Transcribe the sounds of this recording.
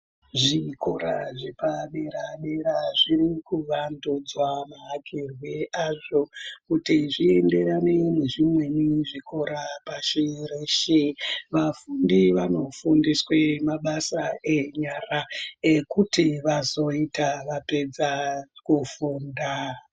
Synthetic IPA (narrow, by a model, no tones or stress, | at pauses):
ʐikʰo̞ɾa̰ʐepaɓeɾaɓeɾaʐiɾikuʋandud͡zwamaɦakirwiaʐo̞kutiʐie̞nde̞ɾanene̞ʐimwe̞niʐikʰo̞ɾapaʃireʃeʋafundiʋano̞fundiswemaɓasae̞ɲaraekutiʋazo̞itaʋape̞d͡zakufuːnda